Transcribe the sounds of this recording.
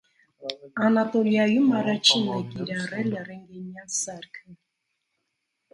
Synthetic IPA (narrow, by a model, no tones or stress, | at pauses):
ɑnat̪ɔljɑjumɑrɑt͡ʃʰinɛkiɾɑrɛlərɛŋɡɛɲjansɑɾkʰə